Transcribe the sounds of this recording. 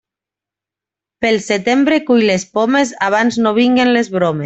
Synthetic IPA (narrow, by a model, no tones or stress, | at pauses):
pelˠset̪embɾekujlespomezaβ̞anznoβ̞iŋɡenlezβɾome